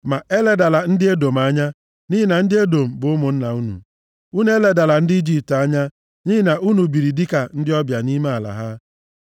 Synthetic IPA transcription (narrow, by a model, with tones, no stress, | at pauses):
ma˨e˦le˨da˨la˨n̩˦dɪ˦e˦do˨ma˦ɲa˦ | ni˦ɦɪ˦na˨n̩˦dɪ˦e˦do˨m̩˨bʊ˨˦ʊ˦mʊ˨n̩˦na˨u˦nṵ˨ | u˦n˦e˦le˨da˨la˨n̩˦dɪ˦i˦d͡ʒi˦p̚ta˦ɲa˦ | ni˦ɦɪ˦na˨ʔu˦nu˨bi˨ɾi˨di˦ka˨n̩˦dɪ˦ɔ˦bja˨ni˦me˦a˨la̰˨ɦa˦